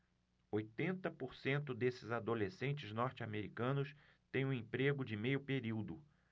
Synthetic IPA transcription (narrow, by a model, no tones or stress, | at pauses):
ojt̪ẽnt̪ɐpoɾsẽnt̪ʊd̪esɪzad̪olesẽnt͡ʃɪznɔɾt͡ʃɪameɾikɐ̃nʊst̪ẽj̃ũʊ̃ẽpɾeɡʊd͡ʒɪmejʊpeɾiwd̪ʊ